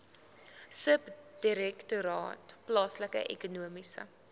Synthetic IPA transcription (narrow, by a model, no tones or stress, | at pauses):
səpd̥iɾɛktuɾɑ̰ːtplɑːsləkə̰ʔɛ̰kunuəmisə̰